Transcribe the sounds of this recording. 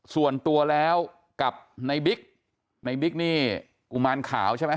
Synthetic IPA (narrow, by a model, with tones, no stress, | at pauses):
su˨˩ənt̪u˧ɐlɛː˦˥w | ka˨˩p̚na˧jbi˦˥k̚ | na˧jbi˦˥k̚niː˥˩ | ku˨˩maː˧nkʰa̰ː˩˦wt͡ɕʰa˥˩jma˦˥